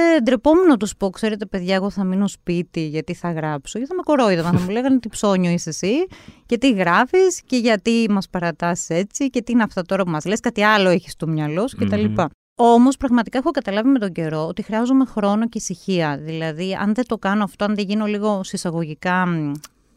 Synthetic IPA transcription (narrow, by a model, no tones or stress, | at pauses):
ed̪ɾepo̞menot̪uspokse̞ɾe̞t̪epe̞ðʝɐeɣo̞θɐmino̞spit̪iʝɐt̪iθɐɣɾɐpsoceθɐmeko̞ɾo̞iðomɐnθɐmuleɣɐnot̪ipso̞ɲoisesice̞t̪iɣɾɐfisce̞ʝɐt̪imɐspɐɾɐt̪ɐsi̥se̞t͡sice̞t̪iineɐft̪ɐt̪o̞ɾɐpumɐzleskɐt̪iɐlo̞eçi̥st̪omɲɐloscet̪ɐlipɐ | o̞mospɾɐɣmɐt̪ikɐexo̞kɐt̪ɐlɐvime̞t̪o̞ɲɟe̞ɾo̞ot̪ixɾiɐzume̞xɾo̞no̞ce̞isiçiɐðilɐðiɐ̰nðe̞t̪o̞kɐnoɐft̪oɐnðeʝino̞liɣo̞sisɐɣo̞ʝikɐ